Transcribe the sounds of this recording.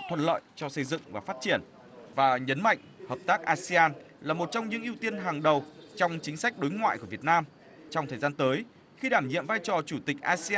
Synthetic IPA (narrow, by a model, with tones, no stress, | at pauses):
t̪ʰwə̰˧˨n̚lə̰ː˧˨jt͡ɕɔ˧sə˧jzɨ̰˧˨ŋvaː˨˩faː˦˥t̚t͡ɕi˧˩ən | vaː˨˩ɲə˨˦nma̰˧˨jŋ̟həː˨˩p̚t̪aː˦˥k̚ʔaː˧si˧aː˧n | laː˨˩mo˨˩t̚t͡ɕɔ˧wŋ͡mɲɨ̰˧˥ŋʔi˧əwt̪i˧ənɦaː˨˩ŋɗə˨˩w | t͡ɕɔ˧wŋ͡mt͡ɕï˨˦ŋ̟sa˦˥k̟̚ɗo˨˦jŋwa̰ː˧˨jku˧˩əvi˨˩ət̚naː˧m | t͡ɕɔ˧wŋ͡mt̪ʰəː˨˩jzaː˧nt̪əː˨˦j | xi˧ɗaː˧˩mɲḭ˧˨əmvaː˧jt͡ɕɔ˨˩t͡ɕu˧˩t̪ï˨˩k̟̚ʔaː˧si˧a˧